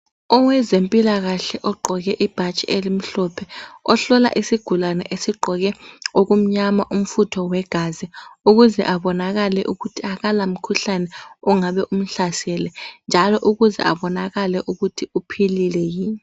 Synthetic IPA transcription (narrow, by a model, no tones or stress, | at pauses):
ɔwɛzempʼilaɣaɬɛʔɔɡ͡ǃʱɔɣ̬ɛʔib̥ʱat͡ʃʼiʔelim̩ɬɔpʰɛɔɬɔla̰ʔisiɡ̥ʱulanɛʔesiɡ͡ǃʱɔɣɛok̬um̩ɲamaʔum̩futʰɔwɛɡ̥ʱaziuɣuzɛ̰ʔaɓɔnaɣalɛ̰ʔuɣutʰiakalam̩kʰuɬanɛɔŋaɓɛʔum̩ɬasɛlɛnd͡ʒʱalɔʔuɣuzɛ̰ʔa̰ɓɔnaɣalɛʔuɣutʰiupʰililɛjiːɲi